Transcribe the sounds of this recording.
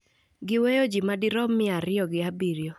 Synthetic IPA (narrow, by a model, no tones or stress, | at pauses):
ɡɪwejod͡ʒimadiɾɔmːɪaɾɪɔɡɪabiɾjo